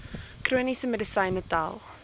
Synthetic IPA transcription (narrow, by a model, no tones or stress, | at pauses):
kroːnisəmɛdəsɐɪ̃nəta̰lˠ